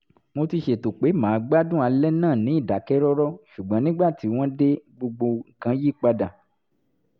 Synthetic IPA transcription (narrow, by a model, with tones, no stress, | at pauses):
mo˧ti˧ʃe˨to˨k͡pe˨˦mãː˨˦ɡ͡ba˦dũ˦˨a˧lɛ˦nãː˦˨nĩ˨˦i˦˨da˨˦kɛ˦ɾɔ˦ɾɔ˦ʃu˨ɡ͡bã˨˦nĩ˦ɡ͡ba˦˨ti˨˦w̃ɔ̃˦de˦ɡ͡bo˧ɡ͡bo˧ŋ̩˨kã˨˧˦ji˦˨k͡pa˧da˨